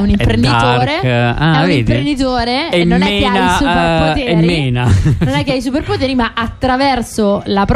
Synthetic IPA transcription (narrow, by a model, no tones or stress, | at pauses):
unimpɾend̪it̪oːɾeaɛuvnidp̪ɾɾend̪it̪oːɾeeenːokːeanajsupepot̪eeːmɾiːeːnanonɛkːeajs̬uperpot̪̬eːɾimaʔat̪ːɾavɛrsolapɾ